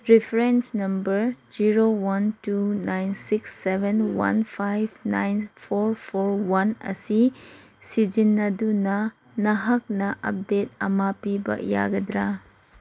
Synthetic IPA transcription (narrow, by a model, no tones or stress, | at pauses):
ɾipʰɾensnɐmbɐɾd͡ʒiɾowantunajnsiksːebʱenwa̰npʰajbna̰jnpʰoɾpʰoɾwanɐ̰si | sid͡ʒinːɐdunɐ | nɐɦɐk̚nɐʔɐ̰p̚det̚ɐmapibɐ̰ja̰ɡɐdɾa